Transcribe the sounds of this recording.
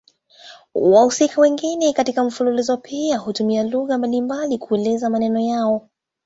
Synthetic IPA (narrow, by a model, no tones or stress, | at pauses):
wahusikawɛŋɡinɛkatikam̩fululizɔpʰiahutumialuɣambalimbalikʰuɛlɛzamanɛnɔjaɔ